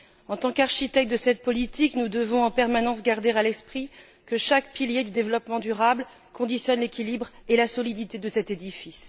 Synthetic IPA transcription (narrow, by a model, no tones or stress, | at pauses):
ɑ̃t̪ɑ̃kaʁʃit̪ɛk̚t̪̚d̪əsɛt̪̚pɔlit̪iknud̪əvɔ̃ɑ̃pɛʁmanɑ̃sɡaʁd̪eʁalɛspχi | kəʃakpiljed̪yd̪evlɔpmɑ̃d̪yʁabl | kɔ̃d̪isjɔnlekʲilibʁelasɔlid̪it̪ed̪əsɛt̪ed̪ifis